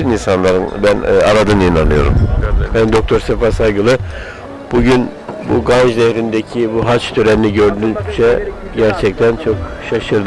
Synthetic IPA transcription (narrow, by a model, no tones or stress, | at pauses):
ininsanlˠaɾɯnbænaɾad̪ɯninanɯjo̞̰ɾṵmbænd̪o̞k̚t̪ʰo̞ɾsefaɾsajɡɯlˠɯ | b̥uɟyn | bṵɡaʒd̪ehɾind̪ecʰibuɦat͡ʃt̪ʰøɾɛniniɟø̞ɾd̪ynd͡ʒʰɛɟæɾt͡ʃʰɛc̚t̪ʰænt͡ʃʰo̞kʃaʃɯɾd̪ɯ